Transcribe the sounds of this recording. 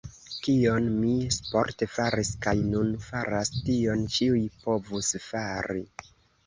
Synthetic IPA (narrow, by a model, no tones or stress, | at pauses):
kio̞nmispo̞̰ɾtefaɾiskajnunfaɾastio̞nt͡ʃiujpo̞vusfaɾi